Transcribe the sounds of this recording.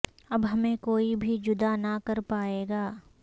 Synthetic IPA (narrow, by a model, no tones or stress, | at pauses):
ɐbɦɐmẽkoːibʱid͡ʒʊd̪anɐkɐɾpaːeːɡaː